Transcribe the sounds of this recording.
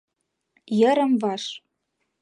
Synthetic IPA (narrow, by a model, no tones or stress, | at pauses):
jə̆ɾə̆mvɑʃ